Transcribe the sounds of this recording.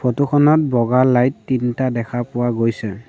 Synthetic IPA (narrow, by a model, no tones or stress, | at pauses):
pʰotuxʰɔnɔt̚bɔɡalajtːintadɛkʰapʊwaɡojsɛ